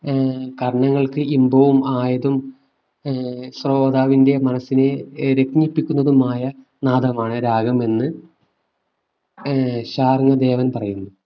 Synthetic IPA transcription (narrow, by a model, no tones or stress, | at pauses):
kɐɾɳɐŋːɐɭkɨimbɐʋumaːjɐðum | sro̞ːd̪aːʋinde̞mɐnɐsːineɾe̞kɲipːikʲːunːɐðumaːjɐ | naːd̪ʱɐmaːɳɨɾaːɡɐme̞nːɨ | ɕaːrŋɐd̪e̞ːʋɐnpɐrɐjunːu